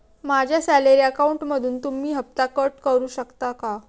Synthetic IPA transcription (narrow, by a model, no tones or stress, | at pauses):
mad͡ʑʱjasæleɾiːəkauɳʈməd̪ʱuːnt̪umiːɦəp̚t̪akəʈkəɾuːɕəkt̪aka